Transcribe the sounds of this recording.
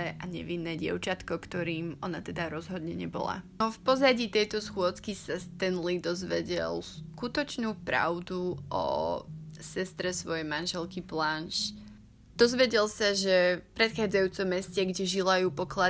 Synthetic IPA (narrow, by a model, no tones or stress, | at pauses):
ɛʔaɲɛ̰ʋinːɛːɟɪɛ̰ʊt͡ʃat̪kɔkt̪ɔɾiːmɔnat̪ɛd̪aɾɔzɦɔd̪ɲɛɲɛbɔ̰la̰ɔfpɔzaɟiːt̪ɛjt̪ɔsxʊɔt͡skisast̪ɛnlid̪ɔzʋɛɟɛ̰lskut̪ɔt͡ʃnuːpɾa̰ʊd̪uʔɔ̰ | sɛst̪ɾɛsʋɔjɛjmanʒɛlkiplanʃ | d̪̥ɔzʋɛɟɛlsaʒɛfpɾɛt̪xaːd͡zajuːt͡sɔmːɛscɛɡɟɛʒilajuːpɔkla